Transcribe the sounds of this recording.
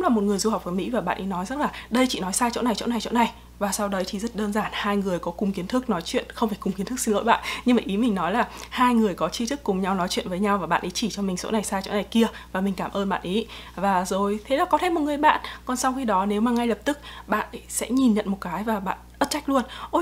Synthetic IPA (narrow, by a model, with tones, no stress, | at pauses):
kŋ͡mlaː˨˩mo˨˩t̚ŋɨ˨˩əjzu˧ha˨˩wk͡p̚və˨˦jmḭ˧˥vaː˨˩ɓa̰ː˧˨nʔi˨˦nɔ˨˦jzə˦˥k̚laː˨˩ɗə˧jt͡ɕḭ˧˨nɔ˨˦jsaː˧jt͡ɕo̰˧˥na˨˩jt͡ɕo̰˧˥na˨˩jt͡ɕo̰˧˥na˨˩j | vaː˨˩sa˧wɗə˨˦jt̪ʰi˨˩zə˦˥t̚ɗəː˧nzaː˧˩nhaː˧jŋɨ˨˩əjkɔ˨˦kʊ˨˩ŋ͡mki˨˦ənt̪ʰɨ˦˥k̚nɔ˨˦jt͡ɕwḭ˧˨ənxə˧wfaː˧˩jkʊ˨˩ŋ͡mki˨˦nt̪ʰk̚si˧nlo̰˧˨jɓa̰ː˧˨nɲɨ˧maː˨˩ʔi˨˦mï˨˩ŋ̟nɔ˨˦jlaː˨˩haː˧jŋɨ˨˩əjkɔ˨˦t͡ɕi˧t̪ʰɨ˦˥kːʊ˨˩ŋ͡mɲa˧wnɔ˨˦jt͡ɕwḭ˧˨ənvəː˨˦jɲa˧wvaː˨˩ɓa̰ː˧˨nʔi˨˦t͡ɕi˧˩t͡ɕɔ˧mï˨˩ŋ̟so̰˧˥na˨˩jsaː˧jt͡ɕo̰˧˥na˨˩jki˧əvaː˨˩mï˨˩ŋ̟kaː˧˩mʔəː˧nɓa̰ː˧˨nʔi˨˦vaː˨˩zo˨˩jt̪ʰe˨˦laː˨˩kɔ˨˦t̪ʰe˧˩mo˨˩t̚ŋɨ˨˩əjɓa̰ː˧˨nkɔ˨˩nsa˧wxi˧ɗɔ˨˦ne˨˦wmaː˨˩ŋa˧jlə˨˩p̚t̪ɨ˦˥k̚ɓa̰ː˧˨n˨˦sɛ̰˧˥ɲi˨˩nɲə̰˧˨nmo˨˩t̚kaː˨˦jvaː˨˩ɓa̰ː˧˨nʔə˦˥t̚t͡ɕa˦˥k̚lu˧ənʔo˧˩j